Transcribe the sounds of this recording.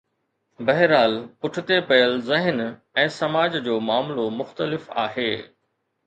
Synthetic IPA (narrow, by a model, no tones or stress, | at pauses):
bɐɦɾaːlpʊʈʰɪt̪epɐjəlzɪɦɪn | ɛ̃ːsɐmaːd͡ʑd͡ʑoːmaːmlomʊxt̪əlɪfa̰ːɦeː